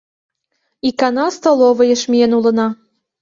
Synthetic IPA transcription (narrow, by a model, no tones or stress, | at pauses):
ikɑnɑst̪olˠoβɤ̆jɤ̆ʃmʲienulɤ̆nɑ